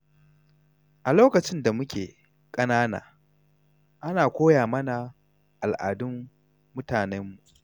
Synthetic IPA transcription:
ʔa˨loː˦kɐ˨t͡ʃɪ˦nda˨mʊ˦kʲʰḛː˨ | kʼɐ˦naː˦na̰ː˨ | ʔa˦naː˨kʷoː˦jaː˨mɐ˦na˨ | ʔa˨lʔaː˨dʊ˦mː | ʊ˦taː˨nɛ˦mːu˨ʔ

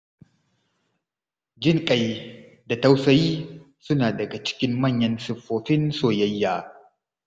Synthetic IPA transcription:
d͡ʒɪ˦˨ŋkʼɐ˨j | da˨tɐ˦wsɐ˦jiː˦ | sʊ˦naː˨dɐ˨ɡa˨t͡ʃɪ̥˦kʲɪ˦mːɐ˦˨ɲːɐ˦nsʊ˨ɸːoː˨ɸɪ˦nsoː˨jɐ˦jːaː˦

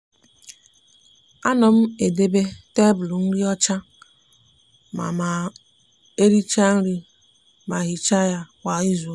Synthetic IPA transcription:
a˦nɔ˨m̩˦e˨de˦be˦te˦bʊ˨lu˨n̩˦ɾi˦ɔ˦t͡ʃa˦ | ma̰˨ma˨ | e˦ɾi˦t͡ʃa˦n̩˦ɾi˦ | ma˨ɣi˨t͡ʃa˦ja˦wʷa˨i˦zu˨˦

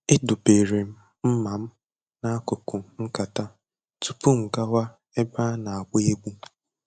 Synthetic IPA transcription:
ɪ˦dʊ˨be˨ɾe˨m̩˦ | m̩˦ma˨m̩˦ | na˦kʊ˨kʊ˨ŋ̩˦ka˨ta˦ | tu˨pu˦ŋ̩˨ɡa˦wa˦ | e˦ba˦na˨a˨ɡ͡bʊ˦e˦ɡ͡bu˦

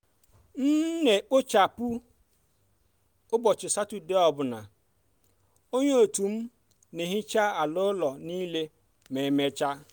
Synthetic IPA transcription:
n̩˦nɛ˨k͡po˦t͡ʃa˨pu˦ | o˦bɔ˨t͡ʃɪ˨sa˦tu˨de˦ɔ˨bʊ˨nã̰˨ | o˦ɲũ˦o˨tũ˨m̩˦ | nɪ̃˨ɦĩ˦t͡ʃa˦a˨lʊ˦lɔ˨nĩ˦le˦ | mɛ̃˨mɛ˨t͡ʃa˦

